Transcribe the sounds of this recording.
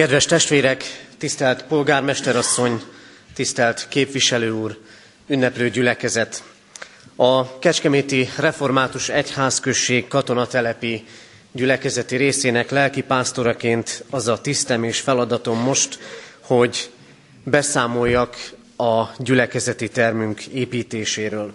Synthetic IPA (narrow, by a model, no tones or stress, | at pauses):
kɛd̪ʋɛʃt̪ɛʃt̪ʋeːɾɛkt̪ist̪ɛlt̪po̞lɡaːrmɛʃt̪ɛɾɒsːo̞ɲ | t̪ist̪ɛlt̪keːpʋiʃɛløːuːr | ynːɛpløːɟylɛkɛzɛt̪ | ɒkɛt͡ʃkɛmeːt̪irɛfo̞rmaːt̪uʃɛchaːskøʃːeːkkɒt̪o̞nɒt̪ɛlɛpi | ɟylɛkɛzɛt̪iɾeːseːnɛklɛlkipaːst̪o̞ɾɒkeːnt̪ɒzɒt̪ist̪ɛmeːʃfɛlɒd̪ɒt̪o̞mːo̞ʃt̪ho̞ɟ | bɛsaːmo̞jːɒk | ɒɟylɛkɛzɛt̪it̪ɛrmyŋkeːpiːt̪eːʃeːɾøːl